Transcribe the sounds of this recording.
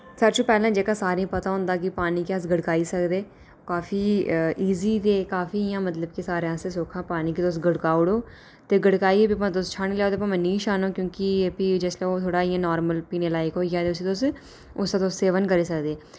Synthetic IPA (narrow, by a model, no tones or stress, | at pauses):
səɾt͡ʃõːpɛːlãːd͡ʒeːkaːsaːɾeãːpət̪aːɦʊ̃nd̪aːk̬ipaːniːkias̬ɡəɽkaːiːsəkd̪eː | kaːfiːʔiːziːt̪eːkaːfiːɪjãːmət̪ləb̚kisaːɾeãːsesoːkʰãːpaːniːkit̪os̬ɡəɽkaːʊɽoː | t̪eːɡəɽkaːiebip̬ãːt̪ʊst͡ʃʰaːñiːlɛːoːt̪eːpãməniːʃaːnoːkjõːkipid͡ʒɛːslɛoːt̪ʰoːɽaːɪjãːnaːɾməlpiːneːlaːɪkɦoːiaːt̪eʊsiːt̪os | ʊst̪ãːt̪oːsseːʋənkəɾeːsəkd̪eː